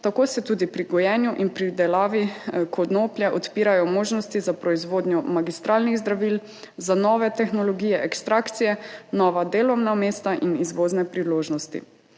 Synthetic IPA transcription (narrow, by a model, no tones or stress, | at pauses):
t̪akoːsɛt̪uːd̪ipɾiɡɔjɛnjuʔinpɾid̪ɛlaːʋikʰɔd̪noːplʲjɛʔɔt̪piːɾajɔmoːʒnɔst̪izapɾɔizʋoːd̪njɔmaɡist̪ɾaːlniɣzd̪ɾaʋiːl | zanɔːʋɛt̪ɛxnɔlɔɡiːjɛʔɛkst̪ɾaːkt̪sijɛnɔʋad̪eːlɔwnameːst̪aʔinizʋoːznɛpɾiloːʒnɔst̪ḭ